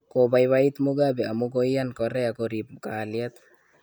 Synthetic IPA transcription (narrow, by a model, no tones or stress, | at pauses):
kobajbait̪muɡabɛamukoijankɔɾɛakoɾipkaljat̪